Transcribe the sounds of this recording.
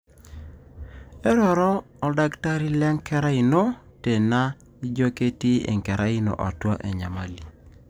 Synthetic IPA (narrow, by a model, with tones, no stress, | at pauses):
e˦ɾɔ˨ɾɔː˦ | da˦kta˦ɾi˦lɛ˦ŋkɛ˦ɾa˦ɪ˨no˦ | te˨na˦ | i˦d͡ʒo˦ke˦ti˦ḛ˨ŋkɛ˨ɾa˦ɪ˦no̰˨ʔɔ̰˨twa˦ʔḛ˨ɲa˨ma˨li˨